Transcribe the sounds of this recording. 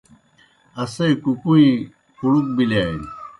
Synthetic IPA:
ɐsɐikukuĩ | pʰuɽuk̚bilaːin

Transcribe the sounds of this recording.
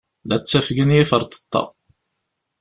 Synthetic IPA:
læt͡sːæfɡənjifəɾˤt̪ə̥t̪ˤːɑ̰

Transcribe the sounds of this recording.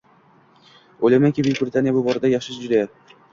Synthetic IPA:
ojlajmaŋkʲɪbɪkʲbɾʲɪt̪ʰanjabʊbɒɾɪd̪ajaχʃɪʃd͡ʒʊd̪ajat̪̚

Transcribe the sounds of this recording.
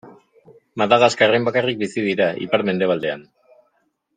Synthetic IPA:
maðaɣaskare̞mbakarik̚bisiðiɾaḭpaɾme̞nd̪e̞β̞ald̪e̞an

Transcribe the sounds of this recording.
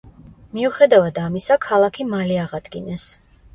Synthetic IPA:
miuχɛd̪avad̪amisakʰalˠakʰimaliaʁad̪̥ɡinɛs

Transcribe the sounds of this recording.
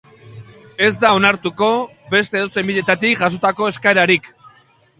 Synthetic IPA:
e̞zd̪ao̞naɾt̪uko̞ | be̞st̪e̞ðose̞mbiʎe̞t̪at̪ikʝaso̞t̪ako̞e̞skaeɾaɾik

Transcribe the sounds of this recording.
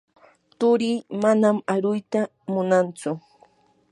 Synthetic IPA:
t̪ʊɾiːmanamaɾʊjt̪a | mʊnant͡sʊ

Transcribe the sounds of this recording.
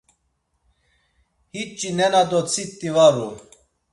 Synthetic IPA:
hit͡ʃʼːinɛnad̪ɔt͡sʰit̪ːivaɾu

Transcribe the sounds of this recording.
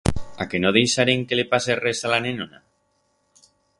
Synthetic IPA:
ake̞noð̞e̞jsaɾeŋkelepaseresalanenona̰

